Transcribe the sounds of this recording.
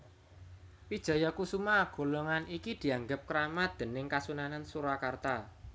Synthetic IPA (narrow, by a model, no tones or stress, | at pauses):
pid̥ʒ̥a̤jɔkusumaɡ̥o̤loŋanikid̪̥i̤aŋɡəp̚kəɾamad̪̥e̤nɪŋkasunanansuɾakart̪a